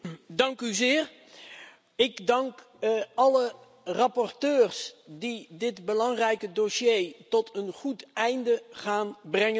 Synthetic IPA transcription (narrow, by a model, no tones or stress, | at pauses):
dɑŋkyzɪːr | ɪkdɑŋk | ɑlə | rɑpɔrtøːrsdidɪtbəlɑŋrɛjkədoʃejtɔtʰənχutɛjndəχaːnbrɛŋə